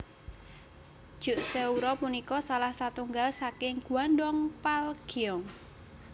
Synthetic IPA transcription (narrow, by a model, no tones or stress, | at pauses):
d̥ʒ̥ʊ̤ʔseuɾɔpunikɔsalahsat̪uŋɡalsakɪŋɡ̥ṳandɔŋpalɡ̥iɔŋ